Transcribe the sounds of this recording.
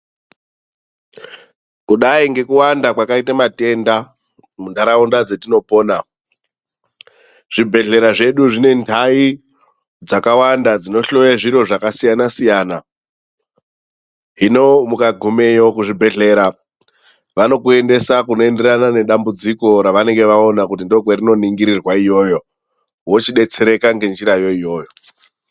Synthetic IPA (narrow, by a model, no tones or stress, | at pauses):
kuɗaiŋɡe̞kuwandakwakaitamate̞nda | mundaɾaundad͡ze̞tino̞poːna | ʐ̥ibʱe̞ɮe̞ɾaʐe̞ɗuʐine̞ntʰai | d͡zakawandad͡zino̞ɬo̞jaʐiɾo̞ʐakasijanasijaːna | ɦino̞mukaɡʱume̞jokuʐibʱe̞ɮe̞ɾa | ʋano̞kue̞nde̞sakuno̞e̞nde̞ranane̞ɗambud͡ziko̞ɾaʋane̞ŋɡe̞ʋao̞nakut̬indo̞ɡwerino̞niŋɡiɾirwaijo̞ːjo̞ | wot͡ʃiɗe̞t͡se̞ɾekaŋɡe̞nd͡ʒiɾajo̞ijo̞ːjo